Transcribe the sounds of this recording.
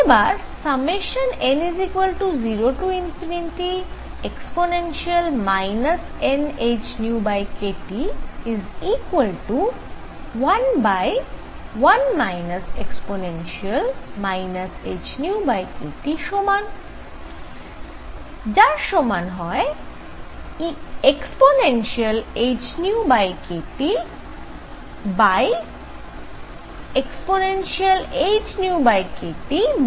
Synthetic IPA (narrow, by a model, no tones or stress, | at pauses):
ebaɾsɐbmeʃənenizikwəlʈuziɾoʈuinfʰininʈi | eksponenʃiəlmajnəs | enet͡ʃnjubajkeʈiizikwəlʈu | wɐnbaj | ʋɐnmajnɐsḛksponenʃiəlmajnɐsed͡ʑnuubajkeʈiʃoman | d͡ʑaɾʃomanɦɔe | eksponenʃialed͡ʑnuubajkeʈi | baj | eksponenʃialed͡ʑnuubajkeʈi